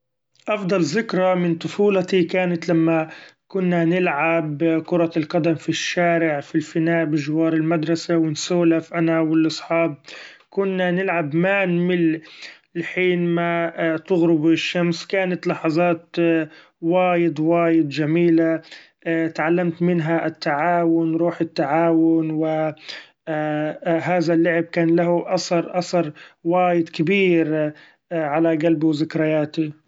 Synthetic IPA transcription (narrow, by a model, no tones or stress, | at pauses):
ʔɑfd̪ˤɑlzɪkɾˤɑmɪnt̪ˤʊfuːlat̪ikaːnat̪lamːakʊnːanɪlʕabkʊɾˤɑlqɑd̪amfiʃːaːɾɪʕfilfɪnaːʔbɪʒwɑːɾˤɪlmad̪ɾˤɑsawɪnsoːlafʔanawɪlʔɑsˤħɑːb̚ | kʊnːanɪlʕabmanmɪl | lħiːnmat̪ʊɣɾʊbɪʃːamskaːnat̪lɑħɑzˤɑːt̪ | waːjɪd̪waːjɪd̪d͡ʒamiːla | t̪ʕalːamt̪mɪnɦaʔɪt̪ːaʕaːwʊnɾˤuːħɪt̪ːaʕaːwʊnwɪ | ɦaːðalːʊʕɪb̚kaːnlahʊʔɑsɑɾˤʔɑsɑɾˤwaːjɪd̪kɪbiːɾ | ʕalaɡalbwzɪkɾɪjaːt̪i